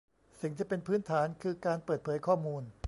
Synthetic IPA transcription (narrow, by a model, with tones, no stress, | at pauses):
si˨˩ŋt̪ʰiː˥˩pe˧npʰɯː˦˥nt̪ʰaː˩˦nkʰɯː˧kaː˧npəɤː˨˩t̪̚pʰɤː˩˦jkʰɔː˥˩muː˧n